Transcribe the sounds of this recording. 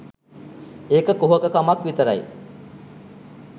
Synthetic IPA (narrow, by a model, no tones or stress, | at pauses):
eːkəkuɦəkəkamakʋit̪əɾɐ̰j